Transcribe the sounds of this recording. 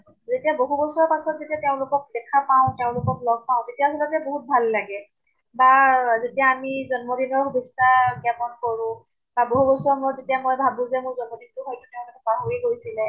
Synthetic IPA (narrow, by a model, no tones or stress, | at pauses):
zetiaboɦubɔsɔɔpasɔtzetiateʊ̃lʊkɔk̚dɛkʰapaʊ̃teʊ̃lʊkɔklɔɡ̚paʊ̃zetijasɔlɔtɛboɦut̚bʱalːaɡɛ | bazetijaːmizɔnmɔdinɔɹhubistaɡɛpɔnkɔɹʊ̃ | baboɦubɔsɔɹɔmɔzetijamojbʱabũzɛmʊɹzɔnmɔdintʊɦojtʊteʊ̃lʊkɛbaɦoɹikoɹisilɛ